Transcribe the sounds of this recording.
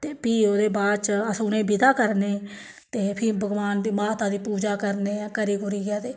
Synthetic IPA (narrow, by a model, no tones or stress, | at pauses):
t̪eːpiːoːd̪eːbaːd̪t͡ʃəsuːnẽːbɪd̪aːkəɾneː | t̪eːpʰɪbʱəɡʋaːnd̪iːmaːt̪aːd̪iːpuːd͡ʒaːkəɾneːkəɾiːɡʊɾiːɡjaːt̪eː